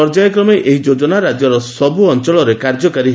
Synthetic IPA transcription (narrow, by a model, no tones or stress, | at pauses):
ɔɾd͡ʒajɔkɾɔmeʔʔeɦid͡ʒod͡ʒɔnaɾad͡ʒjɔɾɔsɔbʱuɔnt͡ʃɔɭɔɾekaɾd͡ʒɔkaɾi